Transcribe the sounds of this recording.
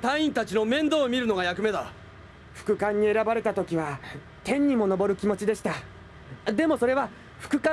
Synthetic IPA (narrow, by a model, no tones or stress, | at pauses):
t̪ãĩnt̪at͡ɕino̞mẽ̞nd̪oːmʲiɾɯ̟no̞ɡajakɯ̟me̞d̪a | ɸɯ̥kɯ̟kãɲ̟ːie̞ɾabaɾe̞t̪at̪o̞kʲiβa | t̪ẽ̞ɲ̟ːimo̞no̞bo̞ɾɯ̟kʲimo̞t͡ɕid̪e̞ɕi̥t̪a | d̪e̞mo̞so̞ɾe̞βa | ɸɯ̟̥kɯ̟ka